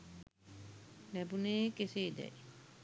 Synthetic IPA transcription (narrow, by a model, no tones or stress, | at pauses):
læbuneːkesiːd̪ɛ̰j